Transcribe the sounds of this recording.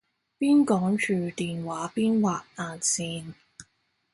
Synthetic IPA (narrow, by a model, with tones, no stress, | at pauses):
piː˥nkɔː˨˥ŋt͡ʃʰyː˨˩t̪iː˨nwaː˨˥piː˥nwaː˨k̚aː˨nsiː˧n